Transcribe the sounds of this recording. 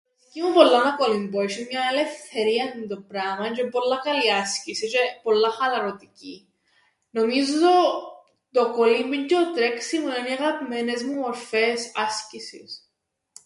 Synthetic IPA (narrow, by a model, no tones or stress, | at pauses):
ecimupo̞lːɐnɐkolimboiʃinmɲɐele̞fθe̞ɾiɐnind̪opɾɐmɐt͡ʃepo̞lːɐkɐliɐscisit͡ʃepo̞lːɐxɐlɐɾot̪ici | no̞mizozo | t̪okolimbiɲceot̪ɾeksimueniɐɣɐpime̞nezmumo̞ɾfe̞sɐscisḭs